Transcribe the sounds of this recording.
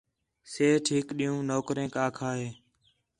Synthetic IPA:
seːʈʰiːkɗiːũːnoːkɾẽːkaːkʰaːɦeː

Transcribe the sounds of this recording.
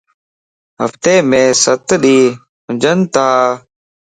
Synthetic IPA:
ɦə̰ft̪eːmẽːsət̪ɗiː | ɦʊd͡ʒənt̪aː

